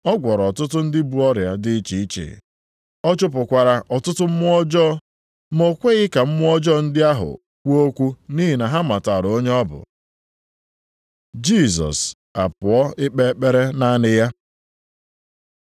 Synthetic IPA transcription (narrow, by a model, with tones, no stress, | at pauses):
ɔ˦ɡʷɔ˨ɾɔ˨tʊ˦tʊ˦n̩˦dɪ˦bu˨ɔ˦ɾja˨dɪ˦i˦t͡ʃi˨i˦t͡ʃḛ˨ | ɔ˦t͡ʃʊ˦pʊ˨kʷa˨ɾa˨ʔɔ˨tʊ˦tʊ˦m̩˦mʊ˦ɔ˦d͡ʒɔ˦ | mo˦kʷe˦ɣɪ˦ka˨m̩˦mʊ˦ɔ˦d͡ʒɔ˦n̩˦dɪ˦a˦ɦʊ̰˨ | kʷo˦kʷu˦niː˦ɦi˨na˨ɦa˦ma˨ta˨ɾo˦ɲe˦ɔ˦bʊ̰˨ | d͡ʒi˦˨sɔ̰˨s | a̰˨pʊ˨ɔ˦ɪ˦k͡pe˦k͡pe˦ɾe˦na˦nɪ˦ja˦